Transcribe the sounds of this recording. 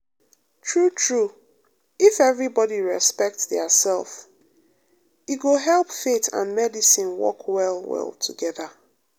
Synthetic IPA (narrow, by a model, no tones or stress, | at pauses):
tʰɹutʰɹu | ifɛvɹibɔdiɹɛspɛk̚tðəsɛlˠf | iɡoɦɛlˠpfetã̰nmɛdisĩnwɔ̰kwɛlˠwɛ̰lˠtʰuɡɛðə